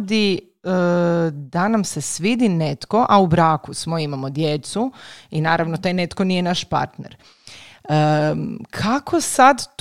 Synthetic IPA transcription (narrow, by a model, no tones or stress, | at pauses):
d̪i | d̪anamse̞sʋid̪inet̪ko̞ʔaubɾaːkusmoimamo̞d̪je̞t̪suinaːɾaʋnot̪ajne̞t̪konije̞naʃpa̰ɾt̪nḛɾ | əkʰakʰo̞sad̪t̪